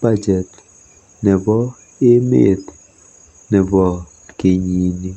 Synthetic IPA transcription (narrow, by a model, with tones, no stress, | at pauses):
ba˦d͡ʒɛ˨t | nɛ˨bɔ˦ | e˦mḛ˦˨t̪ | nɛ˨bɔ˨ | ke˨ɲi˨˦ni˦